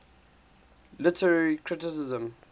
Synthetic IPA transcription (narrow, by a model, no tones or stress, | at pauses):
lɪtʰəɹaɹɹikʰɹɪtɪsɪzə̃m